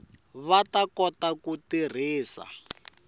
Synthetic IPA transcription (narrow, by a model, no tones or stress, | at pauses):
βatakɔtakutir̤iːsa̰